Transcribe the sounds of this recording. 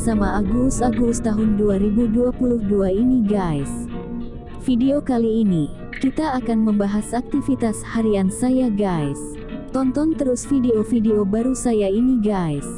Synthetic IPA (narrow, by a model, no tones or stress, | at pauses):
samaaɡusaɡust̪aɦʊnduaɾibuduapuluhduainiɡajs | fideokaliːni | kit̪aːkanməmbaɦasak̚t̪ifit̪ashaɾiansajaɡajs | t̪ɔnt̪ɔnt̪əɾusfideofideobaɾusajainiɡas